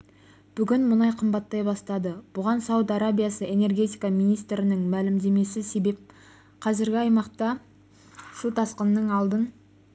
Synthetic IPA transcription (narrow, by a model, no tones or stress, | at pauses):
b̥ʏɡʲɪnmʊnɑjqʰəmbɑt̪ːɑjbɑst̪ɑd̪əb̥ʊʁɑnsɑwət̪ɑɾabʲijasəe̞ne̞rɡʲe̞t̪ijkɑmijnijst̪ɾɪnɪŋmælɪmd̪e̞me̞sɪse̞be̞p̚ | qʰɑzɪɾɡʲɪɑjmɑqt̪ɑ | sut̪ʰɑsqənːəɴɑlˠd̪ən